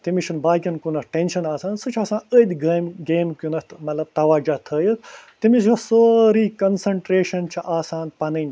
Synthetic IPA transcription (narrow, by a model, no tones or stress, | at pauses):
t̪imiʃʰunbaːkʲɐnkunɐʈenʃɐnaːsaːnsɨt͡ʃʰaːsãːnəd̪ʲɡɐmɡeːmkjunɐt̪mɐt̪lɐb̚t̪ɐʋaːd͡ʒɐt̪ʰəːjɐt̪ʰt̪imisjɐsoːɾiːkɐnsɐɳʈɾeːʃɐnt͡ʃʰiʔaːsaːnpɐnɨnʲ